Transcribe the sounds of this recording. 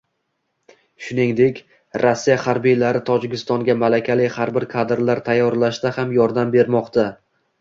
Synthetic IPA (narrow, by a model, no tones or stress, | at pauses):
ʃʊnɪŋd̪e̞kʲ | ɾasːijahaɾbijlaɾɪt̪ʰɒd͡ʒɪkʲɪst̪ɒŋɡʲamalakʲʰalɪhaɾbɪɾkʰad̪ɾlaɾt̪ʰajːɒɾlaʃt̪ahamjɒɾd̪ambe̞ɾmɒqt̪ʰa